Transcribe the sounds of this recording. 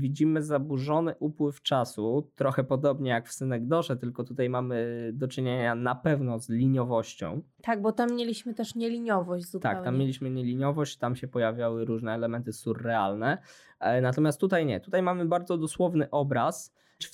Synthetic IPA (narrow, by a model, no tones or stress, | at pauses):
vʲid͡ʑimɘzabuʐɔnɘʔupwɘft͡ʂasut̪ɾɔxɛpɔd̪ɔbɲɛjakfsɘnɛɡd̪ɔʐɛt̪ɘlkɔt̪ut̪ajmamɘd̪ɔt͡ʂɘɲeɲanapɛvnɔzlʲiɲɔvɔɕt͡ɕɔ̰̃w̃t̪aɡ̚bɔt̪amːjelʲiɕmɘt̪ɛʂɲɛlʲiɲɔvɔɕd͡ʑzut̪a̰kt̪amːjelʲiɕmɘɲɛlʲiɲɔvɔɕt͡ɕt̪amɕɛpɔjavʲjawɘɾuʐnɛːlɛmɛnt̪ɘsurːɛalnɛ | nat̪ɔmʲjast̪ːut̪ajɲɛ̰t̪ut̪ajmamɘbaɾd̪zɔd̪ɔswɔvnɘʔɔbɾas